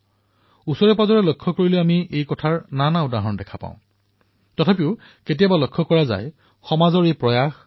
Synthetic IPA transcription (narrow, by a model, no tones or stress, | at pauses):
usɔɹɛpazɔɹɛlɔkʰːɔkoɹilɛamiʔejkɔtʰaɹnanaʊdaɦɔndɛkʰapã̰ʊ̃ | tɔtʰapiʊ | ketijabalɔkʰːɔkɔɹaza̰j | xɔmazɔɹejpɹɔjax